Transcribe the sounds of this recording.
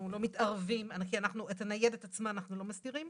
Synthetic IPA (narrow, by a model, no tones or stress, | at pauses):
ulo̞mitaʁvimankianaχnuetanajedetat͡smaːnaχnulo̞masdiʁim